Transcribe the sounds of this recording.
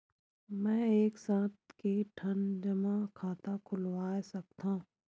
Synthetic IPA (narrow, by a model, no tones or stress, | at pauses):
mɛ̃ːeːksãːt̪̚keʈʰɐnd͡ʒɐmãkʰaːt̪akʰʊlwaːesɐk̚t̪ã